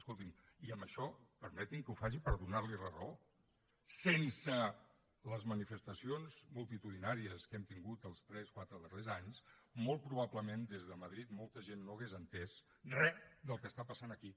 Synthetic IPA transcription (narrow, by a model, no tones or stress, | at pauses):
skolˠt̪im | iəmbəʃɔpəɾmɛt̪iŋkəufaʒipəɾðunaɾlirərəo | sensə | ləzmənifəst̪əsionzmulˠt̪it̪uðinaɾiəskɛmt̪iŋɡut̪əlˠst̪ɾɛskwat̪ɾəðərezaɲsmolˠt̪̚pɾuβ̞apləmend̪ezðəməð̞ɾit̪molˠt̪əʒenːoəɣezənt̪ɛs | rɛd̪əlˠkəst̪apəsanəki